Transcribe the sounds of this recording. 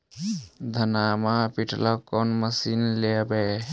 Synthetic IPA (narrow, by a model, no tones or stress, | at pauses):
d̪ʱənamapiʈʰlakɔnməsinlebe